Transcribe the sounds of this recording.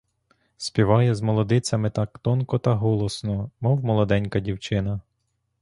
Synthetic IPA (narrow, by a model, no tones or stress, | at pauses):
spʲiʋɑjɛzmɔlˠɔd̪ɪt͡sʲɐmɪt̪ɑkt̪ɔnkɔt̪ɐɦɔlˠɔsnɔmɔwmɔlˠɔd̪ɛnʲkɐdʲiwt͡ʃɪnɐ